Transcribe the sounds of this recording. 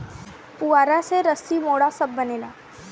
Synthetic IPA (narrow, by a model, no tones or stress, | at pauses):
puaːɾaseɾəsimoːɽasɐbːɐneːlaː